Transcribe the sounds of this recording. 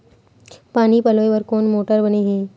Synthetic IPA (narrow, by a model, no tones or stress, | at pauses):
paːnipɐloːjʋəɾkoːnmoːʈəɾbəneɦẽː